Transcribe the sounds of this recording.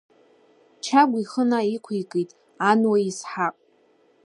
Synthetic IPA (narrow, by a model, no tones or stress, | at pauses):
t͡ʃʰaɡʷiχənaikʷʰijkʼitʼ | anwaisħaqʼ